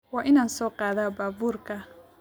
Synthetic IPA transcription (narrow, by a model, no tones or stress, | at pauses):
wɑːʔɪnaːnsɔːqɑːðaːbaːbuːrkʰɐ